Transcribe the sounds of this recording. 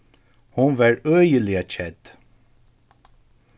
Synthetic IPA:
hʊnʋɑːɹøːjəlɪət͡ʃɛd̪̥

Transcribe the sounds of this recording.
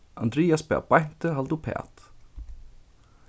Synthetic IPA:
ʔand̪ɾiːaspɛ̰ːbajn̥t̪əɦalt̪upʰɛ̰ːt̪

